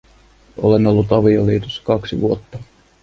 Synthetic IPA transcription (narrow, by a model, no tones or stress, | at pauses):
o̰le̞no̞lːut̪ɑʋioliːt̪usːɑ̥kɑksiʋuo̞t̪ːɑ